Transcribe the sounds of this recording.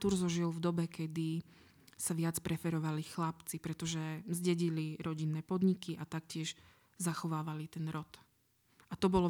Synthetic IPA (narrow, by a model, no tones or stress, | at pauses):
t̪uɾzɔʒilˠvd̪ɔbɛkɛd̪i | saʋɪat͡spɾɛfɛɾɔʋalixlapt͡sipɾɛt̪ɔʒɛmzɟɛɟiliɾɔɟinːɛːpɔd̪ɲikiʔat̪akcɪɛʒ | zaxɔʋaːʋalit̪ɛnɾɔt̪ | ʔat̪ɔbɔlɔ